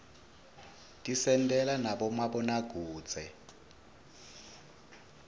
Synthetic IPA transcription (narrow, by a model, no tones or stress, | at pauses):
tʼisɛntʼɛlanaɓɔmaɓɔnaɡ̥ʱu̥ːd͡zʱɛ